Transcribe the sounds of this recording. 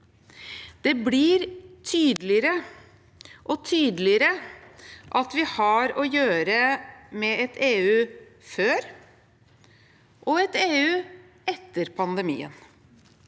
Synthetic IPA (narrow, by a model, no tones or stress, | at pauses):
d̪̥ɛbliɾt̪ʰyːd̪lɪɾə | ʔɔt̪ʰyːd̪əlɪɾə | ʔɑt̪ʋɪhɑɾɔjøːɾəmɛɛt̪ʰeːʉːføːɾ | ʔɔɛt̪eːʉː | ɛt̪ːəɾpʰɑnd̪əmḭːə̰n